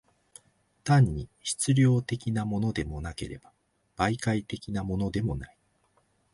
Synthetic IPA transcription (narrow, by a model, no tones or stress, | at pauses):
t̪ãɲ̟ːiɕi̥t͡sɨɾʲo̞ːt̪e̞kʲinamo̞no̞d̪e̞mo̞nake̞̰ɾe̞b̥a | b̥aikait̪e̞kʲinamo̞no̞d̪e̞mo̞nai